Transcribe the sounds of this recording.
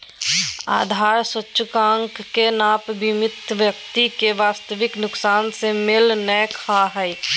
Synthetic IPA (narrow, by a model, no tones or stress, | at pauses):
a̰ːd̪ʱaːɾswətːʃəkãːŋkːenaːpbɪmɪt̪ʋjəkt̪ikeʋaːst̪əʋɪknʊksaːnsemɪlnəkʰaɦɛj